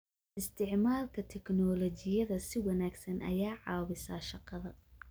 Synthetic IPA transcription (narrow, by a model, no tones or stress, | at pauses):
ʔɪst̪ʰɪʕmaːlkʰɐt̪ʰɛknɔːlɔt͡ʃɪjɐðɐsɪwɐnaːɡsɐnʔɐ̰jaːʕɑːβɪsɐːʃɑqɑðɐ